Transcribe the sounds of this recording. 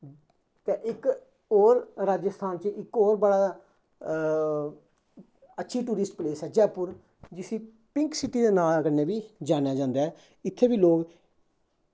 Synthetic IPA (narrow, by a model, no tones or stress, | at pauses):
t̪eːʔɪk | oːɾɾaːd͡ʒəst̪ʰaːnt͡ʃəɪkɔːɾbəɽaː | ətːʃʰiːʈuːɾɪsʈpleːsɛːd͡ʒɛːpʊɾ | d͡ʒɪsĩː | pɪ̃ŋksɪʈiːd̪eːnaːlkəneːbiːd͡ʒaːneaːd͡ʒãːnd̪eːɦɛː | ɪt̪ʰːeːbiːloːɡ